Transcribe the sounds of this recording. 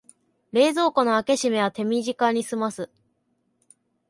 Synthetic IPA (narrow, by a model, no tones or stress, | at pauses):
ɾe̞ːzo̞ːko̞no̞ake̞ɕime̞βat̪e̞mʲiʑikaɲ̟isɨmasɨ